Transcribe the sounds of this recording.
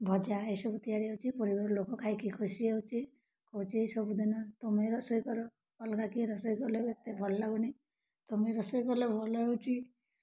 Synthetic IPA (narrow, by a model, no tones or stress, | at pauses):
bʱɔd͡ʒaesɔbut̪ijaɾiewt͡ʃʰipɔɾibaɾɔlokɔkʰaikikʰusiewt͡ʃʰi | kɔut͡ʃʰiesɔbud̪ʱinɔt̪omeɾɔsɔjkɔɾɔ | ɔlkakiɾɔsɔjkɔɾlebet̪ebʱɔllaɡuni | t̪omeɾɔsɔjkɔɾlebʱɔlɔeut͡ʃʰi